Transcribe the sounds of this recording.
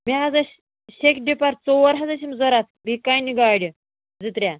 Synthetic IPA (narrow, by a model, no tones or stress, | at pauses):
miɦad͡zaɕ | ɕekɖipaɾt͡sɔʋəɾɦad͡zaɕ̬imd͡zɔɾat̪̚bʱikajniɡaɽi | d͡zɨt̪ɾʲja